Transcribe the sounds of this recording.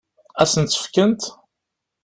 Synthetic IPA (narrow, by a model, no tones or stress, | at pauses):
æsənt̪ːə̥fkənt̪